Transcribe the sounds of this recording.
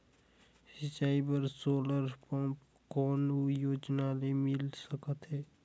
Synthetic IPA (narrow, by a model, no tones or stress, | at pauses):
sɪt͡ʃaːibəɾsoːləɾpɔ̃p | kɔːnujoːd͡ʒnalemɪlsəkət̪ɦɛː